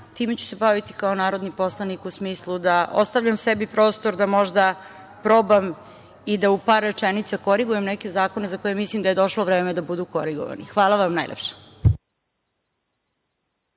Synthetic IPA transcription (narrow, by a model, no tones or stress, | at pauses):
t̪iːmet͡ɕu̥se̞baʋit̪i̥kaonaːɾo̞d̪nipo̞slˠanikusmiːslˠud̪aʔo̰st̪aʋʎamsebipɾo̞ːst̪o̞ɾd̪amo̞ʒd̪a | pɾo̞bam | id̪aupaɾːet͡ʃenit̪sako̞ɾiɡujemneke̞zaːko̞ne̞zako̞jemislimd̪aje̞d̪o̞ʃloʋɾeːmed̪abud̪uko̞ɾiɡo̰ʋa̰nḭxʋaːlˠaʋamnajlḛpʃe̥